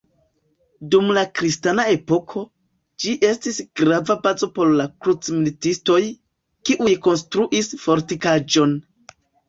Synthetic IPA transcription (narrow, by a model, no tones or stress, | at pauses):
dumlakɾistanae̞po̞kʰo̞ | d͡ʒiʔe̞stisɡɾavabazo̞po̞ɾlakɾut͡smilitisto̞j | kiʔujko̞nstɾuʔisfo̞ɾtikad͡ʒo̞n